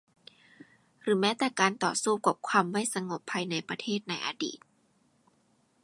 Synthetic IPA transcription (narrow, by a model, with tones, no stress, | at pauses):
ɾɯː˩˦mɛː˦˥t̪ɛː˨˩kaː˧nt̪ɔ̰ː˨˩suː˥˩kwa˨˩p̚kʰwaː˧mːa˥˩jsa˧ŋo˨˩pʰːaː˧jna˧jpɾa˧t̪ʰeː˥˩t̪̚na˧jʔa̰˧dḭː˨˩t̪̚